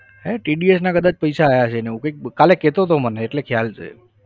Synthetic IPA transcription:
ɦeʈiɖiesnakəd̪at͡ʃpəjsaːjat͡ʃʰeneɦũkəik̚kaleket̪ot̪oməneːʈlekʰjalt͡ʃʰḛ

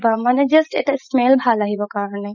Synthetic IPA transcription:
bəmaned͡ʒɐsʈḛʈasmelbʱalaɦibəkaːɾəne

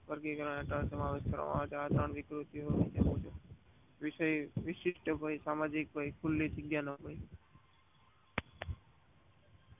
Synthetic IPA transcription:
pəɾɡekəɾaneʈəɾsəmaʋeʃkəɾʋa̰ma̰ʋet͡ʃʰead̪ʱɾəɳʋɪkɾut̪iɦoʋit͡ʃʰeɦũd͡ʒʰe | ʋɪʃəjʋɪʃɪʃʈəbʱajsamad͡ʒik̚bʱajkʰulːid͡ʒɪɡjanəbʱaj

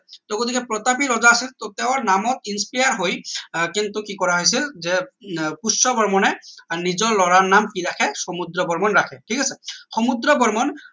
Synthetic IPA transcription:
t̪ɔɡot̪ʰikɛpɹɔt̪apiɹɔzaːsilt̪ot̪ɛʊ̃ɹnamɔt̚inspajaɹɦojkint̪ukikɔɹaɦojs̬ilzɛpusɔbɔɹmɔnɛnizɔɹlɔɹanːamkiɹakʰɛsɔmud̪ɹɔbɔɹmɔnɹakʰɛʈʰikasɛxɔmud̪ɾɹɔbɔɹmɔn

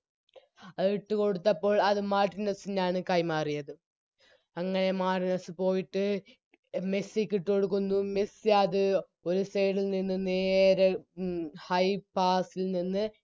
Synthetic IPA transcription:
ɐiʈːɨko̞ɽut̪ːɐpːo̞ːɭɐðɨmaːʈinɐsinaːɳɨkɐjmaːrijɐðɨ | ɐŋːɐɳe̞maːʈinɐsɨpo̞ːjiʈːɨ | mesikːiʈːɨo̞ɽuk̬ːunːumesɨɐðɨ | o̞ɾusejɽilninːɨneːɾe | hɐjpaːsilninːɨ

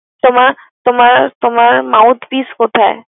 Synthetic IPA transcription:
t̪oma | t̪omaɾt̪omaɾmaʊt̪ʰpiskot̪ʰaḛ

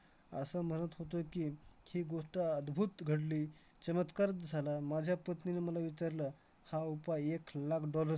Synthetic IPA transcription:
ə̰səm̤ənət̪ɦot̪̬okihiːɡoʂʈaəd̪bʱuːt̪ɡʱəɽliː | t͡ɕəmət̪kaɾd͡zʱalamad͡ʑʱjapət̪nineməlaʋit͡ɕaɾlə | haupajeklakʰɖɔləɾ

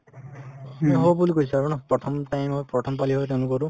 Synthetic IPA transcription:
meɦobulikojsʰaɾunɔpɾɔtʰɔmʈajmɦɔjpɾɔʈʰɔmpaliɦɔjt̬ewnukɔɾu

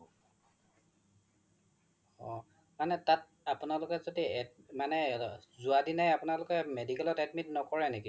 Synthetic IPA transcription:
ɔ̰ | manɛtat̚ | apunalʊkɛzodiɛtmanɛzuadinajapʊnalʊkɛmedikɛlɔtɛtmitnɔkɔɹɛneki

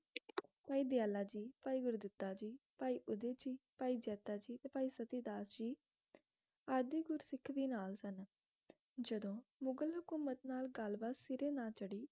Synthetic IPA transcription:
paːiːd̪ɪjaːlaːd͡ʒiːpaːiːɡʊɾud̪ɪt̪ːaːd͡ʒiːpaːiːʔʊd̪eːd͡ʒiːpaːiːd͡ʒɛːt̪aːd͡ʒiːt̪eːpaːiːsət̪iːd̪aːsd͡ʒiː | aːɾd̪iɡʊɾsɪkʰːʋiːnaːlsən | d͡ʒəd̪õːmʊɡəlɦʊkuːmət̪naːlɡəlbaːsɪɾeːnaːt͡ʃəɽiː

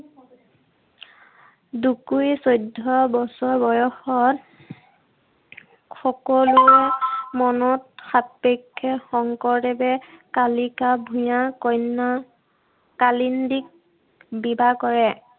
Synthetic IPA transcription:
dukujsojdʱːɔbɔsɔɹbɔjɔxɔt | xɔkɔluɛmɔnɔtxappekʰːɛxɔŋkɔɹdɛbɛkalikabʱujãkɔjna | kalindik̚ | bibakɔɹɛ

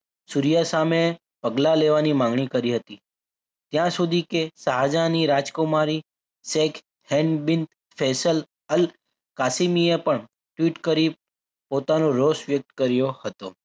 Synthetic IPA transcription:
suɾijasame | pəɡlaleʋanimãŋɡɳikəɾiɦət̪i | t̪jãsud̪ʱikesəɦad͡ʒaniɾad͡ʒkomaɾi | sek | hɛ̃ɳɖbint̪ | fʰesəl | əl | kasimiepəɳ | ʈʋiʈkəɾi | pot̪anoɾosʋjək̚t̪kəɾjohət̪o

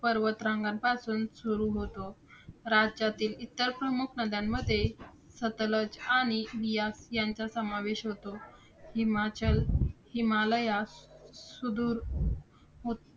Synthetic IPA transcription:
pəɾʋət̪ɾãŋɡanpasuːnsuɾuɦot̪oɾad͡ʑd͡ʑat̪iːlit̪ːəɾpɾəmukʰnəd̪ʱjamːəd̪ʱːje | sət̪ləd͡ʑaɽ̃iʋijasjaɲt͡ɕasəmaʋeɕɦot̪o | himat͡ɕəlhimaləjasud̪uːɾ | ɦot̪

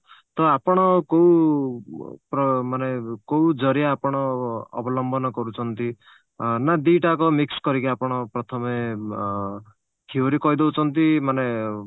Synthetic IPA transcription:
t̪ɔapɔɽ̃ɔkow | pɾɔmanekowd͡ʒɔɾjaːpɔɽ̃ɔ̰ːbɔlɔmbʱɔnɔkɔɾut͡ʃʰɔnt̪i | nad̪iʈakɔmikskɔɾikiapɔɽ̃ɔpɾɔt̪ʰɔme | kʰioɾikɔɦjd̪ewt͡ʃʰɔnt̪imane

